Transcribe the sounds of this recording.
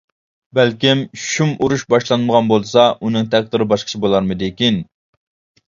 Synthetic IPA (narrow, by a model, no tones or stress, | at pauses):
bælkʲimʃumuɾuʃbɑʃlˠɑnməʁɑnbolˠsɑʔunɨŋt̪ʰɛk̚ʲd̪ɨɾɨbɑʃqʰə̥t͡ʃʰibolˠɑɾmɨd̪ekʲin